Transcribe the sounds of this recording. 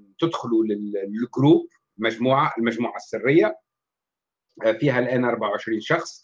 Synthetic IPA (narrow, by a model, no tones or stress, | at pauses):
t̪ɪd̪xʊlulɪlɡɾuːb̚ | mæʒmuːʕaʔɪlmæʒmuːʕasːɪrːɪjːa | fiːɦælʔæːnʔɑɾˤbaʕawʕɪʃɾiːnʃɑxsˤ